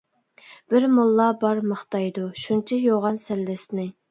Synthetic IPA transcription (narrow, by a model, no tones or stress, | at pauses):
b̥ɪɾmolˠːɑbɑɾməχt̪ɑjd̪uʃunt͡ʃʰɛjoʁɑnsɛlːɪsnɪ